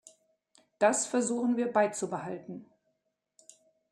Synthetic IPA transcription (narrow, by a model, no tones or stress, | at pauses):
d̥asfɛɐzuːxn̩viːɐbaɪt͡subəhaltn̩